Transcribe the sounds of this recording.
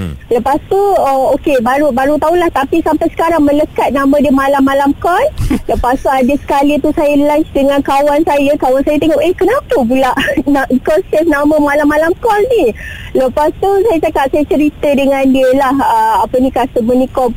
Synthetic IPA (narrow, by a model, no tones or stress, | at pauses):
ləpast̪uəokebaɾubaɾut̪aulaht̪apisampajsə̥kaɾaŋmə̃ləkat̪̚nãmə̃dəmalamːalamkɔlləpast̪uadəsə̥kalit̪usajalant͡ʃdəŋãnkawansajəkawansajat̪eŋɔʔehkənapəpulaʔnaʔkɔnsɛsnãməmalamːalamkɔlni | ləpast̪usajat͡ʃakap̚sajat͡ʃəɾit̪ədəŋãndiəlahəapənĩkasəmənikɔ